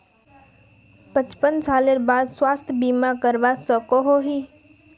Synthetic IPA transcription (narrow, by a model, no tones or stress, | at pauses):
pə̃t͡ʃpənsaːleɾbaːd̪swaːst̪ʰbiːmakəɾʋasəkoɦoɦiː